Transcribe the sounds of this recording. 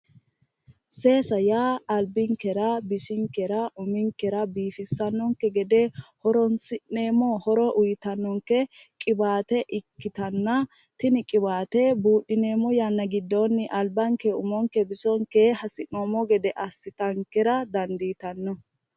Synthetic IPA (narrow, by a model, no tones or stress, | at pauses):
se̞ːsɐjaːɐlbɪŋkɛɾɐbɪʃɪŋkɛɾɐʔʊmɪŋkːɛɾɐbiːfɪsːɐnːɔŋkɛɡɛd̪ɛhɔɾɔnsɪneːmɔhɔɾɔʔʊjɪt̪ɐnːɔŋkːɛkʼɪbaːt̪ɛʔɪkːɪt̪ɐnːɐ | t̪ɪnɪkʼɪbaːt̪ɛbuːɗːɪneːmɔjanːɐɡɪd̪ːɔnːɪʔɐlbɐŋkɛʊmɔŋkːɛbɪsɔŋkehɐsɪnoːmɔɡɛd̪ɛʔɐsːɪt̪ɐŋkɛɾɐd̪ɐnd̪iːt̪ɐnːɔ